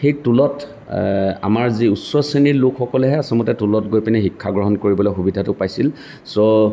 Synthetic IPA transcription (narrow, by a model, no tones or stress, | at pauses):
xejtulɔt | a̰maɹziusɔsenilokʰxɔkɔlɛɦɛasɔmɔtɛtulɔtɡojpinɛxikʰːaɡɹɔɦɔnkoɹibɔlojxubidʱatʊpajsil | sɔ